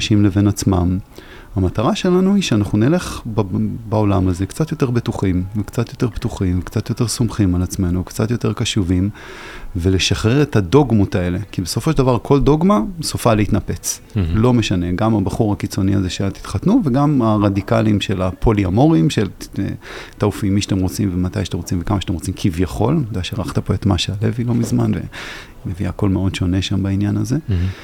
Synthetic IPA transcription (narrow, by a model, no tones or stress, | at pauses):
ʃimleve̞nat͡smam | hamat̪aʁaʃe̞lanuiʃeanaχnunele̞χbbao̞lamaze̞kt͡sat̪jo̞te̞ʁbet̪uχimvekt͡sat̪jo̞t̪e̞ʁbt̪uχiɱvekt͡sat̪jo̞t̪e̞ʁsomχimalat͡sme̞nuvkt͡sat̪jo̞t̪e̞ʁkaʃuvim | vele̞ʃaχʁeʁethado̞ɡmotae̞le̞kibeso̞fo̞ʃed̪avaʁkʰo̞ldo̞ɡmasofaleit̪nape̞t͡s | lo̞meʃane̞ɡamabaχuʁhakit͡so̞niazeʃeat̪i̥t̪χatnuveɡamaʁadikalimʃelapʰo̞liamo̞ʁimʃel̰ | taufimːiʃḁt̪emʁot͡simvemat̪ajat̪emʁot͡simvekamaʃatemʁot͡simkʰivjaχo̞̰lnod̪aʃeʁaχt̪apo̞e̞t̪maʃeale̞vilo̞mizmanvḛ | meviako̞lmeo̞dʃo̞ne̞ʃambainjanaze̞